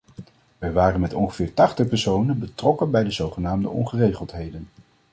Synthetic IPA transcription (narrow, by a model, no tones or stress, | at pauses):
ʋɛjʋaːrənmɛtɔnχə̥vɪːɹtɑχtəχpɛɹsownənbətrɔkənbɛjdəzowχənaːmdəʔɔ̰nχərejχəlˠtɦejdən